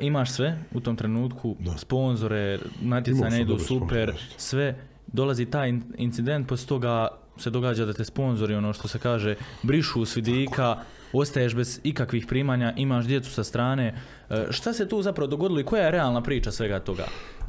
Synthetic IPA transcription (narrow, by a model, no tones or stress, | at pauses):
imaːʃsʋe̞ut̪o̞mt̪ɾe̞nuːt̪kʰuspo̞nzo̞ɾe̞nat̪jeaːɲaid̪uːsupe̞ɾsʋe̞ | d̪o̞lˠazit̪aːjint̪sid̪e̞nt̪̚po̞sʲt̪o̞ɡa | se̞d̪o̞ɡaːd͡ʑad̪at̪espo̞nzo̞ɾio̞noʃt̪o̞se̞kaːʒebɾiʃusʋid̪iːkʰa | o̞st̪ajeʃbe̞zikakʋiːxpɾiːmaːɲaʔimaːʃ̬d̪je̞t̪su̥sast̪ɾaːne̞ː | ʃt̪ase̞t̪uːzapɾaʋo̞d̪o̞ɡo̞d̪iloiko̞jajeɾe̞aːlˠnapɾiːt͡ʃasʋe̞ɡat̪o̞ɡa̰